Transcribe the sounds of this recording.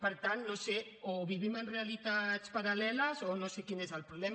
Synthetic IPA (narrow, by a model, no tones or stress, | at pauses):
pəɾt̪annõse | oβiβimenrealit̪aspaɾalɛlasonõsekinezalpɾuβlɛm